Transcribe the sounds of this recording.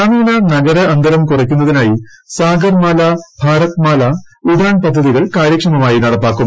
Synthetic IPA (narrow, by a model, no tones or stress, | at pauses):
aːmiːnɐnɐɡɐɾɐɐnd̪ʱɐɾɐmkurɐk̬ʲːunːɐðinaːji | saːɡɐrmaːlɐbʱaːɾɐt̪̚maːlɐudaːɳpɐd̪ʱːɐðiɣɐɭkaːɾjɐkʂɐmɐmaːjinɐɽɐpːaːkːum